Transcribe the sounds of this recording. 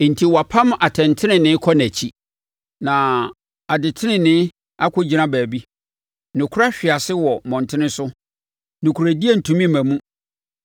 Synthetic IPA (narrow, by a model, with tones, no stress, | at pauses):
n̩˨tʰi˨wɔ˨a˨pʰã˦m˦ʔa˨tʰɛ̃˨ntʰɪ˦nɪ̃˨nɪ̃˦kʰɔ˦næ˨t͡ɕʰi˦ | nã˨ | a˨dɪ˨tʰɪ˦nɪ̃˨nɪ̃˦ | a˦kʰʊ˦d͡ʑi˨nã˦bæː˨bi˦ | nʊ̃˨kʰʊ˦ɾa˦ɕᶣɪ˨a˨sɪ˦wɔ˨mɔ̃˨ntʰɪ˦nɪ̃˦sʊ˦ | nʊ̃˨kʰu˨ɾæ˨di˦e˦n̩˨tʰũ˨mĩ˦˨mæ̃˨mũ˦